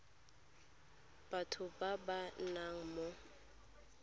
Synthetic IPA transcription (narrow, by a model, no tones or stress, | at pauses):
b̥atʰʊbabanaŋ̩mo